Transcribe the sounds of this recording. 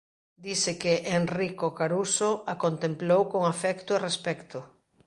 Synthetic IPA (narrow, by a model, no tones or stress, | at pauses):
d̪isɪkeʔenrikokaɾusoakont̪emplowkoŋafɛkt̪ʊarespɛkt̪ʊ